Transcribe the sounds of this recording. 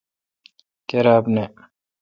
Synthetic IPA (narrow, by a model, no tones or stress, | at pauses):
keɾaːbne